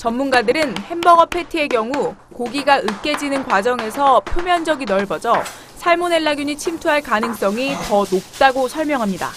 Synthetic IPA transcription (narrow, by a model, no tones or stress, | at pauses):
t͡ɕʌmːunɡadɯɾɯnhe̞nbʌŋʌpʰe̞tʰɯe̞kjʌŋu | koɡiɡaʔɯk͈e̞d͡ʑinɯnkwad͡ʑʌŋe̞sʰʌpʰjomjʌnd͡ʑʌɡinʌɭbʌd͡ʑʌ | sʰaɭmone̞ɭːaɡjuɲit͡ɕʰimtʰuɦaɭkanɯŋs͈ʌŋitʌnop̚t͈aɡosʰʌɭmjʌŋɦamɲida̰